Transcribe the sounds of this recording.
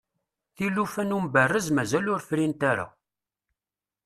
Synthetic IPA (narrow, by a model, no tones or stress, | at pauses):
θilːufænumbərːəzmæzælʊɾfɾint̪aɾa̰